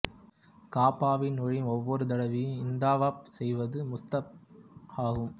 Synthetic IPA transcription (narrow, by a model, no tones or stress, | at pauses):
kaːpaːʋɪnɔɻɪmɔʋːɔɾɯd̪ɐɽɐʋiɪnd̪aːʋaːp̚sɛjʋɐðɯmʊst̪ɐp̚aːɣɯm